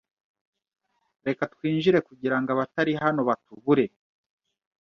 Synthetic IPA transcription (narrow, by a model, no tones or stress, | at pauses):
ɾe̞katwiːnʒiɾe̞kuɟiɾaŋɡaβataɾiɦano̞βatuβuɾe̞